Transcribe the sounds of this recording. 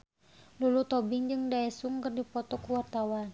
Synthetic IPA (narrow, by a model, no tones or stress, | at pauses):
lulut̪ɔbiŋd͡ʒɨŋdaɛsuŋkərdipɔt̪ɔkuwart̪awan